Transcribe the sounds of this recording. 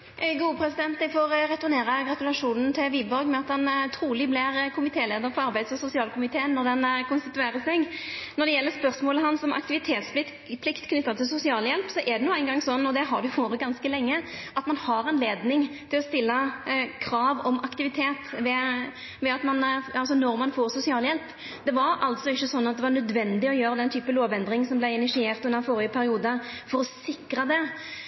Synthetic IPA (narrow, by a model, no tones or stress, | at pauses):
ʔɡuːəpʰɾɛsɪd̪ɛnt̪̚d̪ɛɪfoɾɾɛt̪ʊɾneːɾəɡɾɑt̪ʉlɑʂuːnən̩t̪ʰɪlʋiːbɔɾɡmɛɑt̪hɑnt̪ʰɾuːlɪblɪɾkʰʊmɪt̪ʰeːleːd̪əɾfɔɑɾbæɪd̪sɔsʊsɪɑːlkʊmɪt̪ʰeːənːɔɾd̪ɛnkʊnst̪ɪt̪ʉeːɾəsɛɡnɔɾd̪ɛjɛlːəɾspœɾsmoːləɦɑnsɔmʔɑ̰kt̪ɪʋɪt̪ʰeːt̪splɪ | pʰlɪkt̪kʰnʏt̪ːɑt̪ʰɪlsʊsɪɑːljɛlpsɔʔɛd̪ɛnuːæɪnɡɑŋsɔnːɔd̪ɛɦɑd̪ʉʋoːɾəɡɑnskəlɛŋːə | ʔɑt̪mɑnhɑɾɑnleːd̪nɪŋt̪ʰɪlɔst̪ɪlːəkʰɾɑːʋɔmɑkt̪ɪʋɪt̪ʰeːt̪ʋɛ | ʋɛɑt̪mɑnɑlsɔnɔɾmɑnfoːɾsʊsɪɑːljɛlp | d̪̥ɛʋɑɾɑlt̪sɔɪçːəsɔnːɑt̪̚d̪ɛʋɑnœd̪ʋɛnd̪ɪɔjøːɾəd̪ɛnt̪ʰyːpəloːʋɛnd̪ɾɪŋsɔmblæɪɪnɪʂɪeːɾt̪ʉnd̪əɾfɔːɾɪəpʰæɾɪuːd̪əfɔɾɔsɪkɾəd̪ɛ